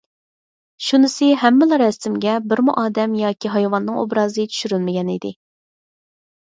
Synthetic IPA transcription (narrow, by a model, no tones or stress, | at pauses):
ʃunɪsɪɦɛmːɪlɑɾɛst̪ɪmɡʲɛbɪɾmuʔɑːd̪ɛmjɑːkʲʰiɦɑjwɑnːɨŋo̰bɾɑːzɨt͡ʃʰy̥ʃyɾylmɪɡʲɛnḭd̪ɪ